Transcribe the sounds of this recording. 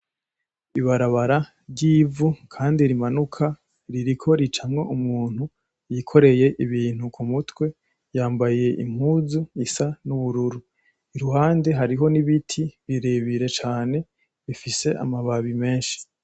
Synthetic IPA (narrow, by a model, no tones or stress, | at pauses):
iβaɾaβaɾa | ɾɟiːvukʰaːndiɾimanukʰa | ɾiɾikʰo̞ɾit͡ʃamŋo̞ʔumuːn̥hu | jikʰo̞ɾe̞je̞ʔiβiːn̥hukʰumutwe̞ | jaːmbaje̞ʔḭm̥huːzuisanuβuɾuɾu | iɾuɦaːnde̞ɦaɾiɦo̞niβitʰiβiɾeβiɾe̞t͡ʃaːne̞ | βifiseʔa̰maβaβime̞ːnʃi̥